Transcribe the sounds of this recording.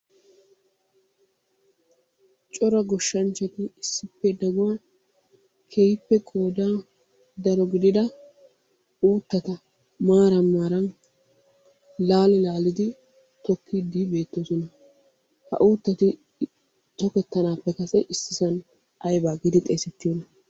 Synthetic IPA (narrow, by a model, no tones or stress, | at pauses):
t͡ʃʼɔɾɐɡɔʃːɐnt͡ʃːɛt̪ɪɪsːɪpːɛd̪ɐɡʊwaː | kʰejpːɛkʼoːd̪aː | d̪ɐɾɔɡɪd̪ɪd̪ɐ | uːt̪ːɐt̪ɐ | maːɾɐmːaːɾɐn | laːlɪlaːlɪd̪ɪ | t̪ɔkʰːɪd̪iːbe̞ːt̪ːosɔnɐ | hɐ̰ʔuːt̪ːɐt̪ɪ | t̪ɔkɛt̪ːɐnaːpːɛkɐsɛʔɪsːɪsɐn | ɐjbaːɡɪd̪ɪt̪ʼeːsɛt̪ːɪjɔnɐ